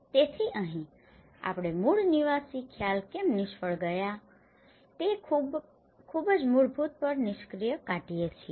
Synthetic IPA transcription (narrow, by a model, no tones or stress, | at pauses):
t̪et̪ʰiʔəɦĩ | a̰pɽ̃emuɭniʋasikʰjalkemnɪʃfəɭɡəja | t̪eub | kʰubəd͡ʒmʊɭbʱut̪̚pəɾnɪʃkɾijəkaʈijet͡ʃʰi